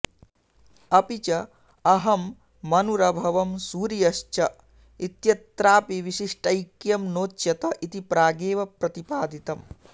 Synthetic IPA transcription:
ɐpit͡ʃɐ | ɐɦɐmː | ɐnuɾɐbʱɐʋɐmsuːɾijɐʃt͡ʃɐ | it̪jɐt̪ɾaːpiʋiʃiʂʈɐjkjɐmnoːt͡ʃːjɐt̪ɐʔit̪ipɾaːɡeːʋɐpɾɐt̪ipaːd̪ʱit̪ɐm

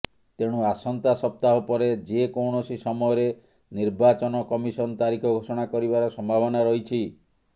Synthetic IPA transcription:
t̪eɽ̃uasɔnt̪asɔp̚t̪aɦɔpɔɾed͡ʒekɔwɳ̃ɔsisɔmɔjɔɾe | niɾbat͡ʃɔnɔkɔmisɔnɔt̪aɾikʰɔɡʱosɔɽ̃akɔɾibaɾɔsɔmbʱabɔnaɾɔɦit͡ʃʰi

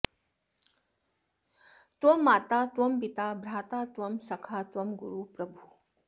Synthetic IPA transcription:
t̪ʋɐmːaːt̪at̪ʋɐmpit̪aːbʱɾaːt̪at̪ʋɐmsɐkʰat̪ʋɐmɡuɾupɾɐbʱu

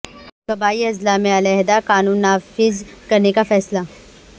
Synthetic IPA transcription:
kɐbaːiɐzlaːmẽɐlɛɦd̪akaːnuːnːaːfɪzkɐɾnekafɛːsla

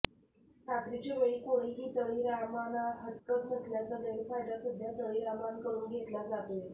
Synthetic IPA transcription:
ʈʰat̪ɾit͡ɕeʋəɭiːkoɽ̃iɦiːt̪əɭiːɾamanaɦət̪kəknəsljat͡sad̪ənpʰaʈasəd̪ʱjat̪əɭiːɾamankəɾuːnɡʱet̪lad͡zat̪e

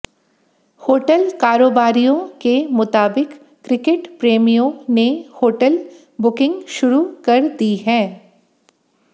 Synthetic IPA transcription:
hoːʈəlkaːɾoːbaːɾijõkemʊt̪aːbɪkː | ɾɪkeʈpɾeːmijõnehoːʈəl | bʊkɪ̃ŋɡʃʊɾukɐɾd̪iɦɛ̃ː

